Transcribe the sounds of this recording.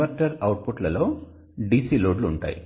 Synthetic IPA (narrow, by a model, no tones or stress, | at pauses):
ɐɾʈɐɾɐwʈ̚puʈlɐlo̞ː | ɖiːsiːloːɖluːɳʈa̰ːjḭ